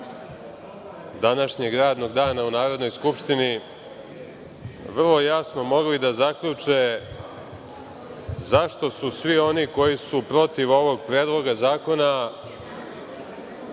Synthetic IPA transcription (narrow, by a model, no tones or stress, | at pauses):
d̪anaʃɲe̞ɡɾaːd̪no̞ɡd̪aːnaunaːɾo̞d̪no̞jskupʂt̪ini | ʋr̩lˠo̞jasno̞mo̞ɡlid̪azakʎut͡ʂe | zaʃt̪o̞susʋio̞niko̞jisupɾo̞t̪iʋo̞ʋo̞ɡ̚pɾeːd̪lo̞ɡazaːko̞na